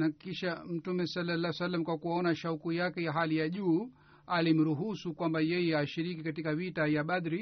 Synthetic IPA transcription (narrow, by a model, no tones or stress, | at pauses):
nakiʃam̩tumɛsɔlːalːaɛsalːamkwakuaɔnaʃaukujakɛjaɦalijaʄuː | alim̩ɾuɦusukwambajɛjɛaʃiɾikikatikavitajaɓadɾi